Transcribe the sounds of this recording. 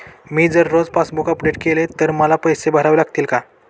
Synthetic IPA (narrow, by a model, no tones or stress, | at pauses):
miːd͡zəɾːod͡zpasbukəpɖeʈkelet̪əɾməlapəjsebəɦɾaʋlaɡt̪iːlka